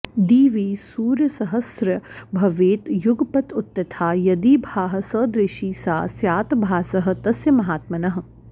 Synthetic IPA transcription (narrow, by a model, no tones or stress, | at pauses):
d̪iːʋiːsuːɾjɐsɐɦɐsɾɐbʱɐʋeːt̪jʊɡpɐt̪ʊt̪ːjɐt̪ʰaːjɐd̪iːbʱaːɦɐ̆sɐd̪ɾɪʃiːsaːsjaːt̪bʱaːsɐɦɐ̆t̪ɐsjɐmɐɦaːt̪mɐnɐɦ̆